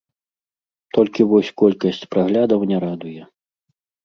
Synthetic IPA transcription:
t̪ɔlʲkʲivɔsʲkɔlʲkɐsʲt͡sʲpɾaɣlʲad̪ɐwnʲɛɾad̪ujɛ

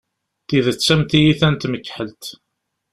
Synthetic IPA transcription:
θiðət͡sːæmt̪ijiθænt̪məkːħəlt̪

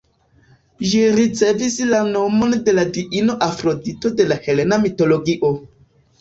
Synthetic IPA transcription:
ʒiɾit͡se̞vislano̞mo̞nde̞ladiʔino̞ʔafɾodito̞de̞lahe̞le̞namito̞loɡiʔo

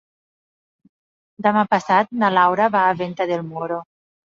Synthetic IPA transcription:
d̪amapasat̪̚nalawɾaβaːβent̪aðelmoɾo

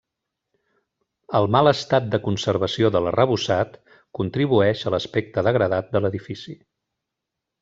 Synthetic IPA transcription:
əlˠmalˠəst̪at̪̚d̪əkunsəɾβəsioðələrəβ̞usat̪ | kunt̪ɾiβ̞uɛʃələspɛk̚t̪əðəɣɾəðat̪̚d̪ələðifisi

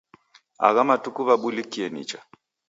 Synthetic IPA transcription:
a̰ɣamatukuβaɓulikiɛnḭt͡ʃa

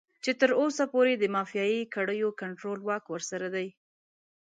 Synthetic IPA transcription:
t͡ʃet̪əɾosapoɾed̪əmɑfijɑjikaɽəjokaɳʈɾolwɑkwəɾsaɾad̪aj

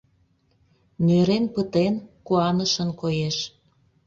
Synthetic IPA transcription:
nʲøɾenpət̪enkuɑnəʃənkojeʃ

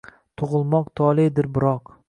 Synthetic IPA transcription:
t̪ʰʊʁʊlˠmɒqt̪ʰɒlˠed̪ɪɾbɪɾɒq

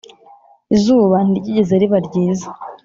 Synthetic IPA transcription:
izuːβanidiɟiɟezeɾiβaɾɟiːzḁ

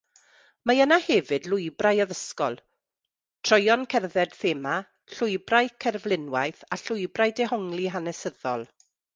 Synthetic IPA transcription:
majənahɛvɨdlʊɨbrajɔðəskɔlˠ | tʰr̥ɔjɔnkʰɛrðɛd̥θɛːma | ɬʊɨbrajkʰɛrvlˠɪnwajθaɬʊjbrajdɛɦɔŋlˠiɦanɛsəðɔ̰lˠ

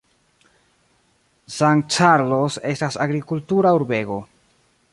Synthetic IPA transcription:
san̚t͡ʃaɾlose̞stasaɡɾikultuɾauɾbe̞ɡo̞

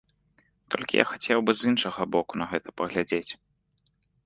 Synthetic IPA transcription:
t̪ʰɔlʲkʲḭjʔa̰xat͡sʲɛwbɨzinʂɐɣɐbɔkunɐɣɛt̪ɐpɐɣlʲad͡zʲet͡sʲ

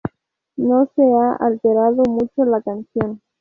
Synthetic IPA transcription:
noseaʔalt̪eɾaðomut͡ʃolakansjo̞n

